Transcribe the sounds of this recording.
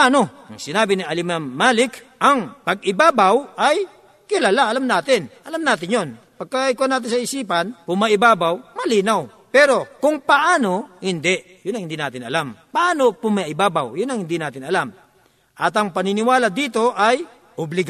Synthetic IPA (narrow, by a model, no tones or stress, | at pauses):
aːno̞ɐŋsɪnaːbɪnɪɐlɪmaːaːlɪk | ʔɐŋpɐɡ̚ɪbaːbawʔaj | kɪlaːlaɐlamnaːt̪ɪnʔɐlamnaːt̪ɪnjon | pɐɡ̚kaɪkonaːt̪ɪnsɐɪsiːpanpʊmaʔɪbaːbawmɐliːnaw | pɛɾo̞kʊŋpɐʔaːno̞hɪnd̪ɛʔ | jʊnːɐŋhɪnd̪iːna̰ːt̪ɪnɐ̰lampɐʔaːnopʊmaʔɪbaːba̰wjʊnːɐŋhɪnd̪inaːt̪ɪnɐlam | ʔɐt̪ɐŋpɐnɪnɪwaːlad̪iːt̪o̞ʔaj | ʔʊblɪɡ